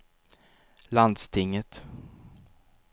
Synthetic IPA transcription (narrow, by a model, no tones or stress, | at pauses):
land̪st̪ʰɪŋːət̪